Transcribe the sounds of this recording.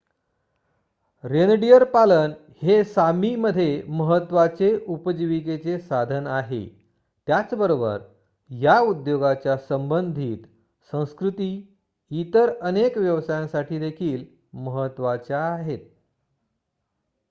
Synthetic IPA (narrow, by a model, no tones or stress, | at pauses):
ɾenɖijəɾpalən | hesamiməd̪ʱːjeməɦət̪ʋat͡seʔupəd͡ʑiʋiket͡sesad̪ʱənaɦḛ | t̪jat͡sbəɾobə̰ɾ | jaud̪joɡat͡ɕjasəmbənd̪ʱiːt̪ | sə̃w̃skɾut̪iː | it̪əɾənekʋjəʋsajãsaʈʰiːd̪ekʰiːl | məɦət̪ːʋat͡ɕjaːɦet̪̚